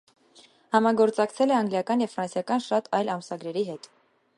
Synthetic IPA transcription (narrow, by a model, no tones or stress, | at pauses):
hɑmɑɡɔɾt͡sɑkt͡sʰɛlɛɑŋɡljɑkɑnjɛvfɾɑnsjɑkɑnʃɑt̪ʰɑjlɑmsɑɡɾɛɾiɦɛt̪